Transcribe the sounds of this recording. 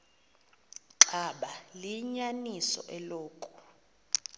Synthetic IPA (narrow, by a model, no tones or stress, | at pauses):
ǁaɓaliɲanisɔ̰ʔɛloːkʼu̥